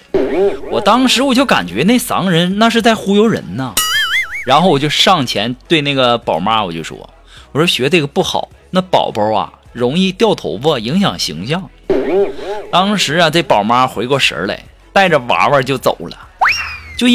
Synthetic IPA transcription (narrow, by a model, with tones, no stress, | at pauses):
wɔ˨˩t̪ɑ˥ŋʂɻ̩˧˥wɔ˨˩t͡ɕjo˥˩ʊka̰˨˩nt͡ɕɥɛ˧˥ne˥˩ɪsɑ̰˧˥ŋɻə˧˥nna˥˧ʂ̬ɻ̩˥˧t͡sa˥˩ɪxu˥jo˧˥ʊɻə̰˧˥nnə˧ɻa˧˥nxo˥˩ʊwɔ˨˩t͡ɕjo˥˧ʊʂɑ˥˩ŋt͡ɕʰjɛ˧˥nt̪we˥˧ɪna˥˩ɡə˩pɑ˨˩ʊma˥wɔ̰˨˩t͡ɕjo̰˥˩ʊʂwɔ̰˥˦ | wɔ˨˩t͡ɕo˥˩ʊɕɥɛ˧˥ʈ͡ʂɡə˩pu˥˩xɑ̰˨˩˦ʊna˥˩pɑ̰˨˩ʊpə˧˥ɐ̰˨˩ | ɻʊ˧˥ŋi˥˧t̪jɑ˥˩ʊt̪ʰo˧˥ʊpə˥˩i˧˥ŋɕjɑ̰˨˩ŋɕḭ˧˥ŋɕjɑ˥˩ŋ | t̪ɑ˥ŋʂɻ̩˧˥a˧ʈ͡ʂe˥˩pɑ˨˩ʊma˥xwe˧˥ɪkwɔ˥˩ʂə̰˧˥lḛ˧˩ɪ | t̪a˥˩ɪʈ͡ʂə˩wa̰˧˥wə˞˥˧t͡ɕjo˥˩ʊt͡so̰˨˩ʊlə̰˦t͡ɕjo˥˧ʊ